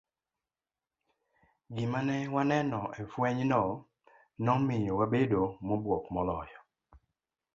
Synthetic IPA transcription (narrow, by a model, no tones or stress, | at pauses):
ɡɪmanɛwanɛnɔʔɛfwɛɲnɔ | nɔmɪjowabedomobwɔkmɔlɔjɔ